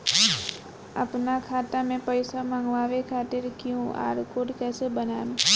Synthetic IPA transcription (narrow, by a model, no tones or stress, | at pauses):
ə̰pnakʰaːt̪amẽpəɪsamãŋɡʋaːʋekʰaːt̪ɪɾkijũa̰ːɾkoːʈkɛːsebənaːnẽ